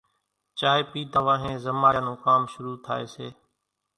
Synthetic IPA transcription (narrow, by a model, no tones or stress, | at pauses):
t͡ʃaːɦeːpiːd̪ʱaːʋãːɦẽːzəmaːaːnũːkaːmʃʊɾuːt̪ʰa̰ːḛːseː